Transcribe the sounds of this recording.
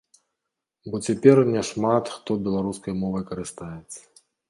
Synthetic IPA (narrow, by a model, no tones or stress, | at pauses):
bɔt͡sʲɛpʲɛrnʲɛʂmat̪xt̪ɔbʲɛlˠaɾuskɐjmɔvɐjkɐɾɨst̪ajɛt̪sːɐ̥